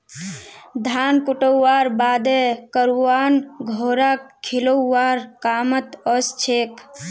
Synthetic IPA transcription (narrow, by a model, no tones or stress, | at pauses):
d̪ʱankuʈəwːaɾbaːd̪ekəɾuwanɡʱoɾakkʰːiləːaɾkaːmət̪əst͡ʃʰek